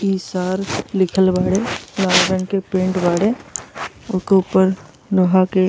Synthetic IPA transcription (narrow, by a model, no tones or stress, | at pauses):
iːsaːɾlɪkʰəlbaːɽelaːlɾə̃nkepẽːɳʈbaːɽe | ʊkeuːpəɾ | loɦake